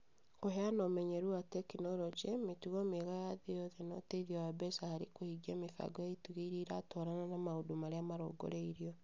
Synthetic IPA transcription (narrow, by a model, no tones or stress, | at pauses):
koɦɛanɔmɛɲɛɾuatɛkinɔɾɔt͡ʃɛmetuɣɔmeɣajaðejɔðɛnɔteiðiawabɛsahaɾekohiɡiamefa̰ɡɔjaituɣeiɾiɾatɔɾananamaodomaɾeamaɾo̰ɡo̰ɾeiɾiɔ